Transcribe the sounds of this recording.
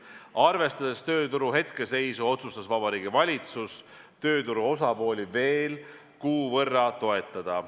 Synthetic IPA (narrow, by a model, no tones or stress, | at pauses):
ɑrve̞st̪ɑd̪est̪ø̞ːt̪uɾuɦe̞t̪ke̞se̞jsuo̞t̪sust̪ɑsvɑbɑɾiːɡ̥ivɑlʲit̪sus | t̪ø̞ːt̪uɾuo̞sɑpo̞ːlʲive̞ːl | kuːvɤrːɑt̪o̞e̞t̪ːˑɑd̪̥ɑ